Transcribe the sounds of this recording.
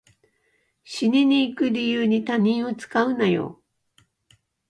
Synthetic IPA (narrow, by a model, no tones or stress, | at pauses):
ɕiɲʲiɲ̟iːkɯ̟ɾʲijɯːɲ̟it̪aɲʲĩɰ̃o̞t͡sɨ̥kaɯ̟najo̰ː